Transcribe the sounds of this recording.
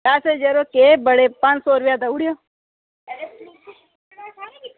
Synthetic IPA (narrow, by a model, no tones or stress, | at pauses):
jaːsed͡ʒeɾokebəɽepant͡ʃsoɾbjad̪auɽijo